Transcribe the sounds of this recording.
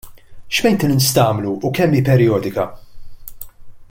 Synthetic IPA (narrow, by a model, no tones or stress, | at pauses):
ʃmɛjnt̪ɪnɪnst̪ɐːmluːkɛmːiːpɛɾjɔːd̪ɪkɐ̰